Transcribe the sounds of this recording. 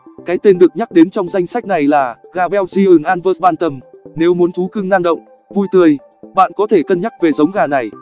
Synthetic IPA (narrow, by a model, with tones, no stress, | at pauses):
kaː˨˦jt̪e˧nɗɨ˨˩ək̚ɲa˦˥k̚ɗe˨˦nt͡ɕɔ˧wŋ͡mza˧jŋ̟sa˦˥k̟̚na˨˩jlaː˨˩ɣaː˧˩ɓɛ˧wzi˧ʔɨ˨˩ŋʔaː˧nvə˦˥t̚ɓaː˧nt̪ʰə˧˩mne˨˦wmu˨˦nt̪ʰu˨˦kɨ˧ŋna˧ŋɗə̰˧˨wŋ͡m | vu˧jt̪ɨ˧əj | ɓa̰ː˧˨nkɔ˨˦t̪ʰe˧˩kə˧nɲa˦˥k̚ve˨˩zə˨˦wŋ͡mɣaː˨˩na˨˩j